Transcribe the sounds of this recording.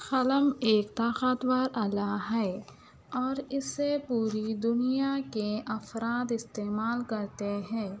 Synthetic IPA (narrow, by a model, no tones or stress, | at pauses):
xɐləmeːkt̪aːxət̪waːɾɐlaɦɛː | ɔːɾɪsːepuːɾid̪ʊnijakeʔɐfɾaːt̪ɪst̪eːmaːlkɐɾt̪eɦɛ̃ː